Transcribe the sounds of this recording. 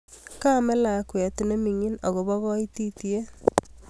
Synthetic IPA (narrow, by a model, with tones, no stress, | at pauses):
ka˦me˦la˨kwɛ˨ti˨ne˦mi˨ŋi˦no˨ɣo˨βɔ˦ɣɔ˦i˦ti˦tie˦